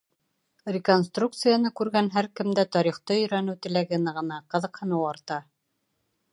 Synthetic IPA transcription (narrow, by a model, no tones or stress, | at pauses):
rʲɪkonst̪ruk̚t̪sɨjanɤkʉɾɡænɦæɾkɘ̆md̪æt̪ɒɾiχt̪ɤɵ̆jɾænɘwt̪ɘ̆læɡɘ̆nɤʁɤ̆nɑqɤ̆ðɤ̆qhɤ̆nɤwɑɾt̪ɑ